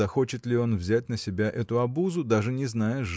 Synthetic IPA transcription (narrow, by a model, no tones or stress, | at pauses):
ɐxo̞t͡ɕɪt̪lʲɪo̞nvzʲæt̚ʲnəsʲɪbʲaʔɛt̪ʊɐbuzʊd̪aʐɨnʲɪznajɪt̪ʐ